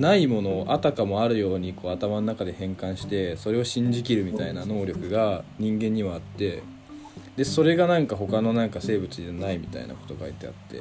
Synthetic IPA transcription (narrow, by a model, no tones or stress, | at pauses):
naimo̞no̞ːʔat̪akamo̞aɾɯ̟jo̞ːɲ̟iko̞ːat̪amano̞nakad̪e̞hẽ̞ŋkãɰ̃ɕi̥t̪e̞so̞ɾe̞o̞ɕĩɲ̟d͡ʑikʲiɾɯ̟mʲit̪ainano̞ːɾʲo̞kɯ̟ɡaɲ̟ĩŋɡẽ̞ɲ̟ːiβaːt̪ːe̞ | d̪e̞so̞ɾe̞ɡanãŋkaɦo̞kano̞nãŋkase̞ːbɯ̟t͡sɨd͡ʑanaimʲit̪a̰ḭna̰ko̞̥t̪o̞ɡait̪e̞a̰t̪ːe̞̰